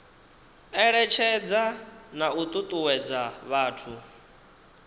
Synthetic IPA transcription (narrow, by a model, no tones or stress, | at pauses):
ɛɺɛt͡ʃʰɛd͡zanaut̪ʼut̪ʼuwɛd͡zaβaːtʰu